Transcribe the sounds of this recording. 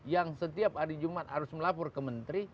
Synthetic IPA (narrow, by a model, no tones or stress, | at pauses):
jaŋsət̪iap̚haɾid͡ʒumat̪haɾʊsməlapɔrkəmənt̪ɾi